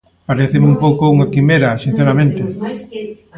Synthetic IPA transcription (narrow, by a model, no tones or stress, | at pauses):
paɾeθemumpowkouŋakimeɾasin̟θeɾamẽnt̪e